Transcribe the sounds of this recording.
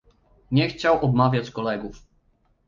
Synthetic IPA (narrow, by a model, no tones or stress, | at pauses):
ɲɛxt͡ɕawʔɔbmavʲjat͡ɕkɔlɛɡuf